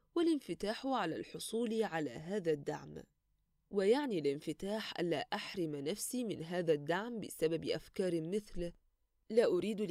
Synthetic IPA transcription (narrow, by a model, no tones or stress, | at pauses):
wɪlɪnfɪt̪aːħʕala̰lħosˤuːliʕala̰ːɦaːðad̪ːa̰ʕm | wɪjaʕnilɪnfɪt̪aːħʔa̰nːa̰ːʔaħɾˤɪmnafsimɪnɦaːðad̪ːaʕmbɪsababʔa̰fkɑːɾˤmɪθl | laːʔʊɾiːd̪